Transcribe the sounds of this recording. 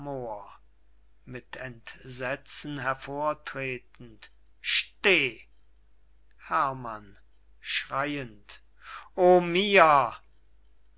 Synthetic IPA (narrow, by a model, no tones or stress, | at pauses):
moːɐ | mɪtʰɛntzɛt͡sn̩ɦɛɐfoːɐtʁ̥eːtn̩t | ʃteː | hɛɐman | ʃʁ̥aɪənt | ʔomiːɐ